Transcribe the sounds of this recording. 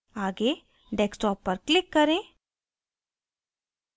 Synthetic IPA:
aːɡe | ɖeksʈɔːpːɐɾklɪkːɐɾẽː

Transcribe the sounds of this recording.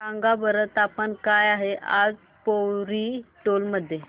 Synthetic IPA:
ãŋɡabəɾət̪apəɳkajaɦeʔad͡z | powɾiʈolməd̪ʱːje

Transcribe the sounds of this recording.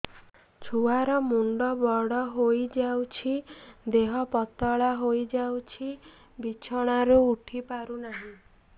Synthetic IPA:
t͡ʃʰuaɾɔmuɳɖɔbɔɽɔɦojd͡ʒawt͡ʃʰid̪eɦɔpɔt̪ɔɭaɦojd͡ʒawt͡ʃʰi | bit͡ʃʰɔɽ̃aɾuuʈʰipaɾunaɦĩ

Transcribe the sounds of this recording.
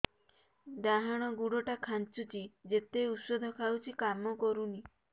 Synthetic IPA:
d̪aɦaɽ̃ɔɡuɽɔʈakʰant͡ʃut͡ʃid͡ʒet̪eut̪sɔd̪ʱɔkʰawt͡ʃʰikamɔkɔɾuni

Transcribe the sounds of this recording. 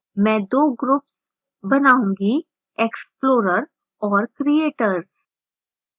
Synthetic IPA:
mɛ̃d̪oːɡɾups | bɐnaũŋɡi | eksploːɾəɾ | ɔːɾkɾieːʈəɾs

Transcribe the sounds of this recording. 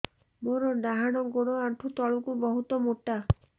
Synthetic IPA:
moɾɔɖaɦaɽ̃ɔɡoɽɔaʈʰut̪ɔɭukubɔɦut̪ɔmoʈa

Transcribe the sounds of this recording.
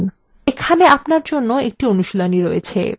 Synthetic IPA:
n | ekʰaneapnaɾd͡ʑonːoek̚ʈionuʃilaniɾojḛt͡ɕʰḛ

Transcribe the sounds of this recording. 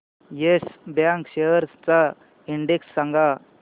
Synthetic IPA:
jesbjãŋkɕejəɾst͡sa | iɳɖeksːaŋɡa

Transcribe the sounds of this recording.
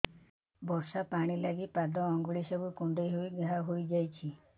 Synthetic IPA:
bɔsapaɽ̃ilaɡipad̪ɔːŋɡuɭisɔbukuɳɖejɦojɡaɦaɦojd͡ʒajt͡ʃʰi

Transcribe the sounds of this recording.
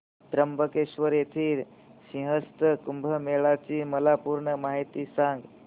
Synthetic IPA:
t̪ɾəmbʱəkeʃʋəɾet̪ʰiːɾ | sĩɦəst̪əkumbʱəmeɭat͡ʃimɐlapuɾɳəmaːɦit̪isãŋɡ

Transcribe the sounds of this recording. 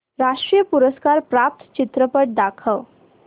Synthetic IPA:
ɾaʂʈɾijəpuɾəskaɾpɾap̚t̪ʰt͡ɕit̪ɾəpəʈ̚d̪akʰəʋ

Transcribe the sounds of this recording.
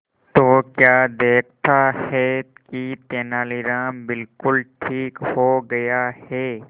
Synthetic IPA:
t̪oːkjaːd̪eːk̚ʰt̪ahɛkit̪eːnaːlɪɾãːmbɪlkʊlʈʰiːkhoːɡɐjahɛː

